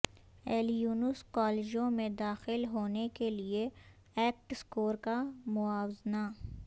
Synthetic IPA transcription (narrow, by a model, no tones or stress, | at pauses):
ɛːljuːnʊskɔːled͡ʒõmẽd̪aːxɪlɦoːnekelie | ɛːk̚ʈskoːɾkamʊaːwzna